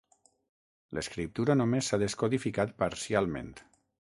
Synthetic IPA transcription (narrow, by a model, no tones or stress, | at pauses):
ləskɾip̚t̪uɾanomesːaðeskoðifikat̪̚paɾsialˠmḛ̃nt̪